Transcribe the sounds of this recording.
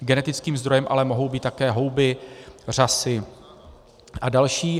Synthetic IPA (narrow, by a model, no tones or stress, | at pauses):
ɡɛnɛt̪ɪt͡skiːmzd̪ɾo̞jɛmʔa̰lɛmo̞ɦo̞wbiːt̪t̪ːakɛːɦo̞wbɪr̝asɪ | ʔadalʃiː